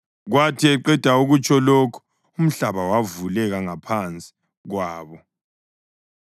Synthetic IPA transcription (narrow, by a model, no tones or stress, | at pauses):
ɣwatʰiɛǃɛd̥ʱauɣut͡ʃʼɔlokʰu̥ | um̩ɬaβawavulɛɣaŋapʰant͡sʼi̥ | ɣwaːβɔ